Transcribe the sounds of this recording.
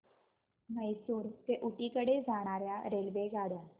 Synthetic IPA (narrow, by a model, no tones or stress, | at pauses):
məjsuːɾt̪eʔuʈikəɽed͡zaːɽ̃aːɾjaɾeːlʋeɡaːɽə